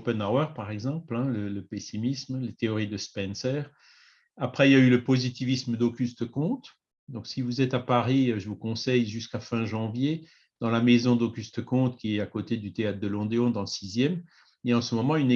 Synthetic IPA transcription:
pɛnawɛʁpaʁɛɡzɑ̃plɛ̃lələpesimismlet̪eɔʁid̪əspɛnsɛʁ | apχɛiljayləpozit̪ivisməd̪okʲyst̪əkɔ̃t̪ | d̪ɔ̃ksivuzɛt̪apaʁiʒəvukɔ̃sɛjʒyskafɛ̃ʒɑ̃vje | d̪̥ɑ̃lamezɔ̃d̪oɡʲyst̪əkɔ̃t̪kʲiɛt̪akot̪ed̪yt̪eat̪d̪əlɔ̃d̪eɔ̃d̪ɑ̃ləsizjɛm | ieaɑ̃səmɔmɑ̃yn

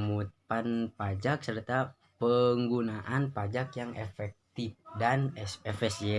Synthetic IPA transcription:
mut̪̚panpad͡ʒaksərt̪a | pəŋɡunaʔanpad͡ʒakjaŋʔefɛk̚t̪if̚danɛfisiɛ

